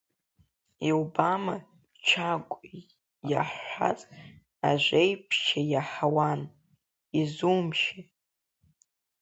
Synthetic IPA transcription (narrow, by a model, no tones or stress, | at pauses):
iobama | t͡ʃʰakʷʼ | ja̰ħʷa̰t͡sʼ | a̰ʒʷejpʰʃajaħawan | izumʃi